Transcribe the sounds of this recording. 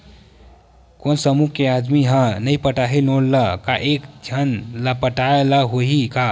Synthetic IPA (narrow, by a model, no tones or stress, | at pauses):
konsəmukead̪miɦə̃nəjpəʈaɦelolləkaʔekd͡ʒʱənlapəʈaelaɦoɦika